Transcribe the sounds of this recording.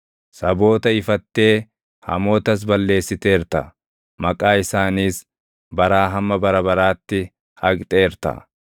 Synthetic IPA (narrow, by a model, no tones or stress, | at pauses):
sɐbo̞ːt̪ɐɪfɐt̪ːe̞ː | hɐ̰mo̞ːt̪ɐs̬bɐlːe̞ːsːɪt̪e̞ːɾt̪ɐ̰ | mɐkʼaːɪsaːniːs | bɐɾaːɦɐmːɐbɐɾɐbɐɾaːt̪ːɪ | hɐkʼt̪ʼeːɾt̪ɐ̰